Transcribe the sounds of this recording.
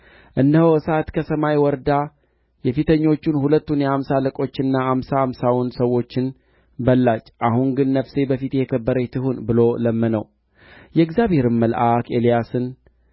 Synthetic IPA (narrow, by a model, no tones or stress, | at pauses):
ʔɨnːəhoɨsat̪kʰəsəmajwɔɾd̪a | jɛfit̪ʰəɲːo̞t͡ʃːunhulət̪ːunjɛhamsaləkʼo̞t͡ʃːɨnːaamsamsawnsəwːo̞t͡ʃːɪn | bəlːat͡ʃːʔaɦuŋɡɨnːəfse̞bəfit̪jɛkʰəbːəɾəjt̪ʰɨɦunbɨlo̞ləmːənəw | jɛɨɡzjaβhe̞ɾɨmməlʔakʰelijasɨn